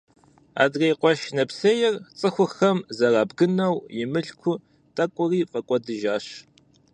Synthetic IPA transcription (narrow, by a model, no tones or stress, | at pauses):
a̰ːdrejqʷɔʃnɐpsɐjɛrt͡sʼɨxʷʊxɐmzɐraːbɡɨnɐwjɪmɨɬkʷʰʊ | tʼɐkʷʼʊriːfʼɐkʷʼɔdɨʒaːɕ